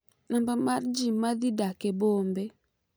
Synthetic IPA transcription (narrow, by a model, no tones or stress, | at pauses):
nambamaɾd͡ʒimaðidakɛbɔmbɛ